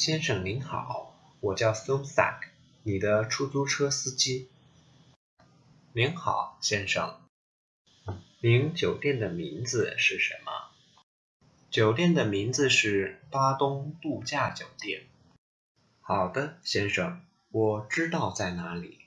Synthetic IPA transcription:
ɕjɛ˥nʂɤ˨˩ŋni˧˥ŋxɑ̰˨˩˦ʊ | wɔ˨˩t͡ɕjɑ˥˩ʊfə˥ŋfa̰˥˩k | ni˨˩d̪ə˦ʈ͡ʂʰu˥˩t͡su˥ʈ͡ʂʰɤ˥sɹ̩˥t͡ɕi˥ | ni˧˥ŋxɑ̰˨˩˦ʊɕjɛ˥nʂɤ̰˨˩ŋ | li˧˥ŋt͡ɕjo˨˩ʊt̪jɛ˥˩nd̪ə˩mi˧˥nd͡zɹ̩˧ʂɻ̩˥˩ʂə̰˧˥nmə̰˧ | t͡ɕjo˨˩ʊt̪jɛ˥˩nd̪ə˩mi˧˥nd͡zɹ̩˧ʂɻ̩˥˩pa˥t̪ʊ˥ŋt̪u˥˧t͡ɕja˥˩t͡ɕjo˨˩ʊt̪jɛ˥˩n | xɑ˨˩ʊd̪ə˦ɕjɛ˥nʂɤ˨˩ŋ | wɔ˨˩ʈ͡ʂɻ̩˥t̪ɑ˥˧ʊt͡sa˥˩ɪna˧˥li˨˩˦

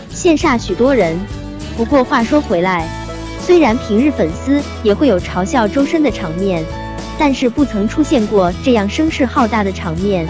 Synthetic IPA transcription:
ɕjɛ˥˧nʂa˥˩ɕy˨˩t̪wɔ˥ɻə˧˥n | pu˧˥kwɔ˥˧xwa˥˩ʂwɔ˥xwe˧˥ɪla˧˥ɪ | swe˥ɪɻa˧˥npʰi˧˥ŋɻ̩˥˩fə˨˩nsɹ̩˥ | jɛ˨˩xwe˥˩ɪjo˨˩ʊʈ͡ʂʰɑ˧˥ʊɕjɑ˥˩ʊʈ͡ʂo˥ʊʂə˥nd̪ə˨ʈ͡ʂʰɑ˧˥ŋmjɛ˥˩n | t̪a˥˧nʂɻ̩˥˧pu˥˩t͡sʰɤ˧˥ŋʈ͡ʂʰu˥ɕjɛ˥˧nkwɔ˥˩ʈ͡ʂɤ˥˧jɑ˥˩ŋʂɤ˥ŋʂɻ̩˥˧xɑ˥˧ʊt̪a˥˩d̪ə˩ʈ͡ʂʰɑ˧˥ŋmjɛ˥˩n

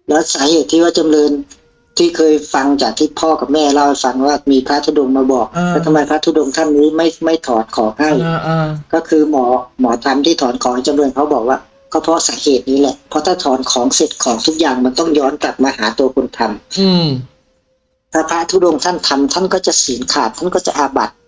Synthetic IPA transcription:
lɛː˦˥wsaː˨˦heː˨˩t̪ʰːiː˥˩waː˧˥˩t͡ɕa˧mlɤː˧n | t̪ʰiː˧˩kʰɤː˧jfa˧ŋt͡ɕaː˨˩k̚t̪ʰiː˧˩pʰɔː˥˩ka˨˩p̚mɛː˧˥˩laː˧˩whfa˧ŋwaː˧˩miː˧pʰa˦˥t̪ʰuː˧˩do˧ŋmaː˧bɔː˨˩k̚lɛː˧˩t̪ʰa˧ma˧˩jpʰa˦˥t̪ʰu˧˩do˧ŋt̪ʰa˥˩nːiː˦˥ma˥˩jma˥˩jt̪ʰɔː˨˩˦nkʰɔː˨˩˦ŋha˥˩jkɔː˧˥˩kʰɯː˧mɔː˩˦mɔː˨˩˦t̪ʰa˧mt̪ʰiː˥˩t̪ʰɔː˨˩˦nkʰɔː˩˦ha˥˩jt͡ɕa˧mnuː˧ənkʰa˦˥wbɔː˨˩k̚waː˧˥˩ | kʰa˧˥˩pʰɔ˦˥saː˩˦heː˨˩t̪̚niː˦˥˩lɛ˧˩ʔpʰɔ˧˦t̪ʰaː˧˥˩t̪ʰɔː˨˩˦nkʰɔː˩˦ŋse˨˩t̪̚kʰɔː˩˦ŋt̪ʰu˦˥k̚jaː˨˩ŋma˧nt̪ɔ˥˩ŋjɔː˦˥nkla˨˩p̚maː˧haː˩˦t̪u˧ɐkʰo˧nt̪ʰa˧m | t̪ʰaː˧˩pʰɾa˦˥t̪ʰuː˧˩do˧ŋt̪ʰa˥˩nt̪ʰa˧mt̪ʰa˥˩nkɔː˥˩t͡ɕa˨˩ʔsiː˩˦nkʰaː˨˩t̪̚ʰːa˥˩˨nkɔː˥˩t͡ɕa̰˨ʔaː˧ba̰˨˩t̪̚

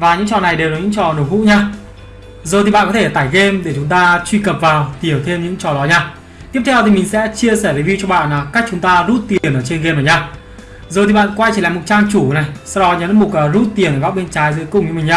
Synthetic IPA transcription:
vaː˨˩ɲɨ̰˧˥ŋt͡ɕɔ̰˧˨na˨˩jɗe˨˩wkɔ˨˦ɲɨ̰˧˥ŋt͡ɕɔ˨˩no˧˩hṵ˧˥ɲaː˧ | zo˨˩t̪i˨ɓa̰ː˧˨kɔ˨˦t̪ʰe˧˩t̪aː˧˩jɣe˧mɗe˧˩t͡ɕʊ˨˦ŋ͡mt̪aː˧t͡ɕwi˧kə˨˩p̚vaː˨˩wt̪i˧˩ə˩wt̪ʰe˧mɲɨ̰˧˥ŋt͡ɕɔ˨˩ɗɔ˨˦ɲaː˧ | t̪i˦˥əp̚t̪ʰɛ˧wt̪ʰi˨˩mï˨˩ŋ̟sɛ̰˧˥t͡ɕi˧əsɛː˧˩və˨˦vi˧wt͡ɕɔ˧ɓa̰ː˧˨naː˨˩ka˦˥k̚t͡ɕʊ˨˦ŋ͡mt̪aː˧zu˦˥t̚t̪i˨˩ənʔəː˧˩t͡ɕe˧nɣe˧maː˨˩ɲaː˧ | zo˨˩t̪i˨ɓa̰ː˧˨nkwa˧jt͡ɕi˧˩la̰ː˨mo˨˩t̚t͡ɕaː˧ŋt͡ɕu˧˩na˨˩jsa˧wɗɔ˨˦ɲə˨˦n˨˦mo˨˩t̚ə˨˩zu˦˥t̚t̪ːi˨˩ənəː˨˩ɓa˦˥ɓe˧nt͡ɕaː˨˦jzɨː˨˦jkŋ͡mɲɨ̰˧˥mï˨˩ɲaː˧˩

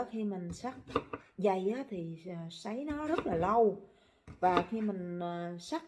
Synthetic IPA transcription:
xi˧mï˨˩ŋ̟sa˦˥k̚za˨˩jʔaː˨˦t̪ʰi˨˩˨sa˨˦jnɔ˨˦zə˦˥t̚laː˨˩lə˧w | vaː˨˩xi˧mï˨˩ŋ̟ː˨˩sa˦˥k̚

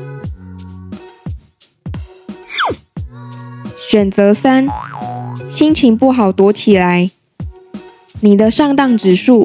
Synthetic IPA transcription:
ɕɥɛ˨˩nt͡sə˨˥sa˥n | ɕi˦nt͡ɕʰi˧˥ŋpu˥˩xɑ˨˩ʊt̪wɔ˧˥t͡ɕʰi˨˩la˨˦ɪ | ni˨˩d̪ə˦ʂɑ˥˧ŋt̪ɑ˥˩ŋʈ͡ʂɻ̩˨˩ʂu˥˨

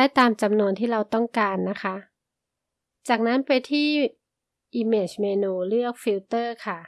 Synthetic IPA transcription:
aː˥˩jt̪aː˧mt͡ɕa˧mnu˧ənt̪ʰiː˥˩ɾa˧wt̪ɔ˥˩ŋkaː˧nːa˦˥kʰa˦˥ | t͡ɕaː˨˩k̚na˦˥npa˧jt̪ʰiː˥˩ | ʔiː˧meː˧˩t͡ɕmeː˧nuː˧ɾɯ˥˩ək̚fi˧˥wt̪ɤː˥˩kʰa˥˩

